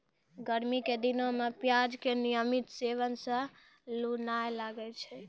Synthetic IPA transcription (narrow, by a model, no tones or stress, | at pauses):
ɡəɾmiked̪inomepjad͡ʒkenijəmit̪seʋənsə̃ | lunajlaɡɛt͡ʃʰɛ